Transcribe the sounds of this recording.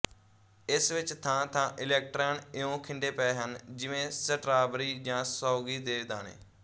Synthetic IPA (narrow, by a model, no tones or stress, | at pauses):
ɪsʋɪt͡ʃt̪ʰãːt̪ʰãːʔɪlɛːk̚ʈɾaːnɪõːkʰɪɳɖeːpɛeːɦənd͡ʒɪʋẽːsəʈɾaːbɾiːd͡ʒãːsaːɡiːd̪eːd̪aːnḛː